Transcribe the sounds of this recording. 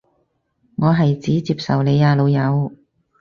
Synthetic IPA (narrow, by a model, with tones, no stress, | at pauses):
ŋɔː˨˧ɦɐ˨jt͡siː˨˥t͡siː˧p̚sɐ˨wne˨˧jaː˧lo˨˧wjɐ˨˧w